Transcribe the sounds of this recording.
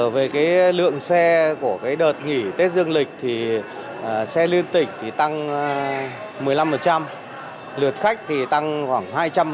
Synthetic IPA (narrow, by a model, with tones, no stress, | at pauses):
ve˨˩kaː˨˦jlɨ̰˧˨əŋsɛ˧ku˧˩əkaː˨˦jɗəː˨˩t̚ŋi˧˩t̪e˦˥t̚zɨ˧əŋlï˨˩k̟̚t̪ʰi˨˩˨ | sɛ˧li˧ənt̪ï˧˩ŋ̟t̪ʰi˨˩t̪a˧ŋ | mɨ˨˩əjla˧mfə˨˩t̚t͡ɕa˧m | lɨ˨˩ət̚xa˦˥jk̟̚t̪ʰi˨˩t̪a˧ŋxwaː˧˩ŋɦaː˧jt͡ɕa˧m